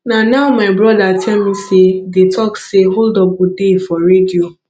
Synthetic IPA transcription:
nanaʊmaɪbɾɔdatʰɛlmisedetʰɔkseɦoldɔbɔdefɔɾedio

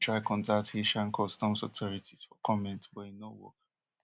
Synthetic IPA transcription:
tɹaɪkʰɔ̃ndak̚theʃãnkʰɔstɔ̃msɔtʰɔɹitʰiz̥fɔkʰɔmɛ̃ntwɔĩnːowɔ̰k

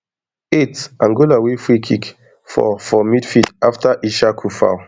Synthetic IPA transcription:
etãnɡolawefɹikʰik | fɔ̰fɔmidfitaftaʔiʃakʰufa̰ʊ

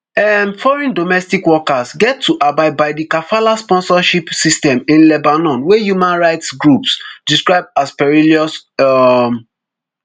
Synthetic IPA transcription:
ɛmfɔɹɛ̃ndomɛstikwɔkasɡɛtʰːuʔabaɪbaɪdikafalaspɔ̃nsɔʃipsistɛ̃mĩnlɛbanɔ̃nwɛjumãnɹaɪtsɡɹupsdiskɹaɪb̚aspɛɹiliɔs | m

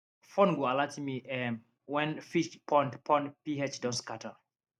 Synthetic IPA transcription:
fɔ̃nɡualatimiʔɛm | wɛ̃nfiʃpʰɔ̃ntpʰɔ̃npihɛt͡ʃdɔ̃nskatʰə

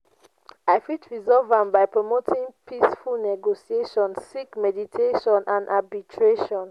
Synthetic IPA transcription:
aɪfitʰɹizɔvãmbaɪpɹomotʰĩŋpʰisfulnɛɡosieʃɔ̃nsːikmɛditʰeʃɔ̃nʔãndʔabitʰɹeʃɔ̃n

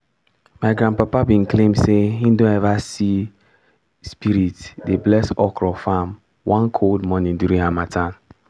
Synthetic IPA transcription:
maɪɡɾãnpapabĩnklẽmdsehĩndõnɛvasi | spiɾitdeblɛsɔkʰɹɔfam | wãnkʰoldmɔnĩndjuɾĩnamatʰãn

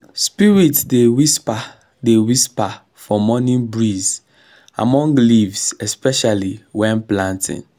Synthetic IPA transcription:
spiɹitdewispa | dewispa | fɔmɔnĩnbɹiz | a̰mɔ̃ŋɡlivsɛspɛʃaliwɛ̃nplãntʰḭ̃n

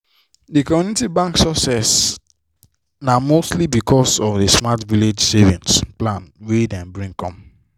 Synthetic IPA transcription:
dikɔmjunitibãŋksɔsɛs | namostlibikʰɔsɔfdesmatviled͡ʒsevĩnsplãnwedɛ̃nbɹĩŋkɔ̃m

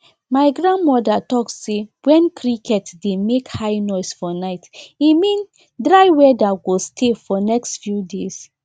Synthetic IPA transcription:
maɪɡɹãnmɔdatɔksːewɛ̃nkʰɹikʰɛtdemekhaɪnɔɪsfɔnaɪtimĩn | dɹaɪwɛdaɡostʰefɔnɛkstfjudes

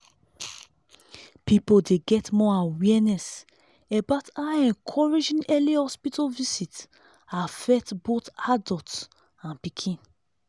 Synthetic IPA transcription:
pipodeɡɛtmɔawɛnɛs | ebataɛ̃nkʰɔɹid͡ʒĩnɛlihɔspitɔvisit | afɛtbotadɔts | ãnpikʰĩn

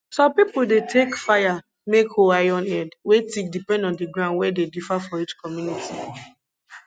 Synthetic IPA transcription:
sɔ̃mpipʊdetʰekfaja | mekoajɔ̃nɛdwetik̚dipɛ̃ndɔ̃ndiɡɾãʊndwɛdedifafɔit͡ʃkɔmjunitʰi

